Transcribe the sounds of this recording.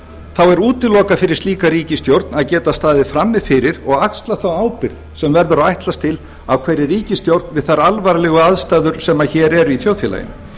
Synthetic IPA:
θawɛɾuːt̪ɪlɔːkafɪɾɪɾ̥st̪iːkaɾiːcɪst̪jowɾt̪naðcɛːt̪ast̪aːðɪfɾamːɪfɪɾɪɾɔɣakst̪laθawaːwpɪɾðsɛmvɛɾðʏɾaajht̪last̪ʰɪl | awkʰvɛɾɪriːcɪst̪jowɾt̪nvɪðθaɾalvaɾlɛɣʏaðst̪aːðʏɾ̥sɛmːaçɛːɾɛɾiθjoːwðfjila̰jɪ̰n

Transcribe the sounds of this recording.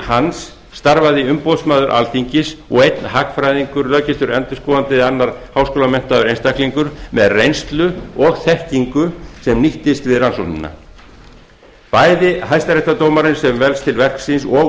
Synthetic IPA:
hansː | t̪aɾvaðiʏmpowðsmaːðʏɾʔa̰lt̪iɲcɪsɔɣejt̪nɦakfɾajðiŋkʏɾlœːcɪst̪ʏɾɛnt̪ʏskɔːant̪ɪanːaɾ̥hawskoːlamɛn̥t̪aðʏɾejnst̪ahkliŋkʏɾmɛðrejnst̪lʏɔɣθɛhciŋkʏsɛmniht̪ɪst̪vɪðransɔhnɪnːa̰ | paːjðɪɦajst̪aɾɛht̪at̪oːwmaɾɪnsɛmvɛlst̪ʰɪlvɛr̥ksinsɔ

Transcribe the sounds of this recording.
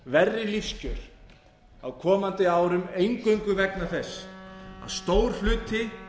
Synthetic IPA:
vɛrːɪliscʏɾ̥ | awkʰɔːmant̪ɪaːwɾʏmejŋkœɥŋkʏvɛknaɾθɛsːa̰ðst̪oːwɾ̥l̥ʏːt̪ɪ

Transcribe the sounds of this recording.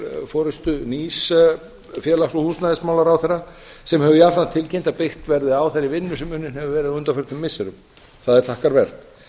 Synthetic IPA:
fɔːɾɪst̪ʏnis | fjɛːlaksɔhuːsnaðɪsmaːwlaɾawθɛrːa | sɛmhɛvʏiafɾant̪ʰɪlcejnt̪apext̪vɛɾðɪaːwθeɾɪvɪnːʏsɛmʏnːɪnhɛvʏvɛːɾɪðaʏnt̪afœɾ̥t̪ʏmːɪsːɛɾʏm | θaðɛɾ̥θahkaɾvɛr̥t̪

